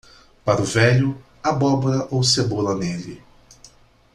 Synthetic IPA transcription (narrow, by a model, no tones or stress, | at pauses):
paɾʊvɛʎʊ | ɐbɔboɾɐʔowsebolɐnelɪ